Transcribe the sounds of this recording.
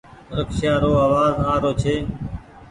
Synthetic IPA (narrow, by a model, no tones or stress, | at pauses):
ɾəksjaːɾoːaːʋaːzaːɾoːt͡ʃʰeː